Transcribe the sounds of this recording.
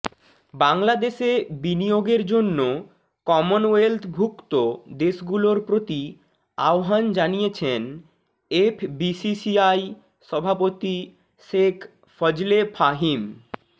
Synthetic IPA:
baŋlad̪eʃebinijoɡeɾd͡ʑonːo | kɔmonwelt̪ʰbʱukt̪od̪eʃɡuloɾpɾot̪i | a̰oɦand͡ʑanijet͡ɕʰen | epʰbisisiaj | ʃɔbʱapot̪i | ʃekʰ | fɔd͡ʑlefaɦim

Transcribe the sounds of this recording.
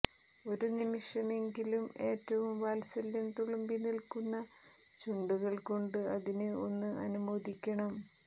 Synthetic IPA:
o̞ɾunimiʂɐme̞ŋɡilume̞ːtːɐʋumʋaːlsɐlːumt̪uɭɐmbinilkunːɐ | t͡ɕuɳɖuɣɐɭko̞ɳɖɨɐðinɨo̞nːɨʔɐ̰numoːðikʲːɐɳɐm

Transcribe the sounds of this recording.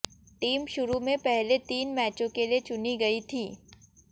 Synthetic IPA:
ʈiːmʃʊɾumẽpɛɦlet̪iːnmɛːt͡ʃõkeliet͡ʃʊniɡɐit̪ʰiː

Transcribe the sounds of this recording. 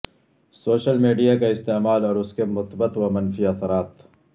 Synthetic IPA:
soːʃəlmiːɖijakaɪst̪eːmaːlɔːɾʊskemʊt̪bət̪wamɐnfiɐθɾaːt̪

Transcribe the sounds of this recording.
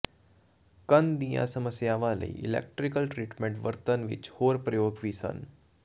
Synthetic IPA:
kənd̪ijã̰səməsjaːʋaːlə̰ḭḭlḛk̚ʈɾikəlʈɾiːʈmeɳʈʋəɾt̪ənʋḭt͡ʃhoːɾpɾəjoːɡʋiːsə̰n

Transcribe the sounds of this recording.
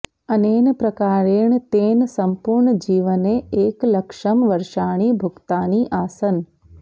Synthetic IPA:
əneːnpɾɐkaːɾeːɽ̃t̪eːnsɐmpuɾɳəd͡ʑiːʋəneeːklɐkʃəmʋɐɾʃaːɽ̃iːbʱʊkt̪aːniʔaːsən

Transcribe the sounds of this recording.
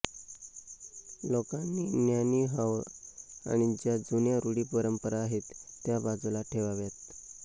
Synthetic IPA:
lokanːiːnjaniːɦaʋ | a̰ɽ̃id͡ʑjad͡zunjaɾuɽiːpəɾəmpəɾaːɦet̪ːjabad͡zulaʈʰeʋaʋjat̪

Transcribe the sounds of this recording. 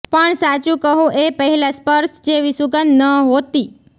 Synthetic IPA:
pəɳsat͡ʃũkəɦũʔepəɦɛlaspəɾʃd͡ʒeʋisuɡənːəɦot̪i

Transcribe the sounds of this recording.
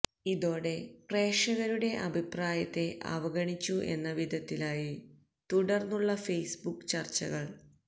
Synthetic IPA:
iðo̞ːɽe̞pre̞ːʂɐɣɐɾuɽe̞ʔɐbʱipraːjɐt̪ːe̞ʔɐ̰ʋɐɡɐɳit͡ɕːuʔe̞̰nːɐʋid̪ʱɐt̪ːilaːji | t̪uɽɐrnuɭːɐfejsbukːt͡ɕɐrt͡ɕːɐ̰ɣɐɭ

